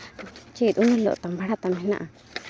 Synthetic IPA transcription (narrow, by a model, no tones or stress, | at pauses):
t͡ʃit̪unalo̰ʔt̪ambaɽat̪amina̰ʔa